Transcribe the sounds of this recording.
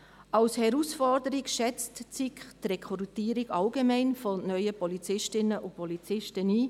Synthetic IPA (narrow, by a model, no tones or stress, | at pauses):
ɑʊshɛɾuːsfɔrdəɾiɡʃɛt͡stt͡sikχtrɛkʰɔrtiːəɾiɡɑlɡemɛɪnfɔnœʏəpɔlit͡sɪʃtɪnəʔʊpɔlit͡sɪʃtəniː